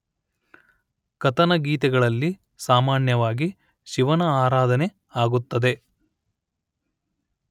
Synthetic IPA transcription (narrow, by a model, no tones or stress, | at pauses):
kɐt̪ɐnɐɡiːt̪ɛɡɐɭɐlːi | saːmaːnjɐʋaːɡi | ʃiʋɐnɐaːɾaːd̪ɐne̞ | aːɡut̪ːɐd̪e̞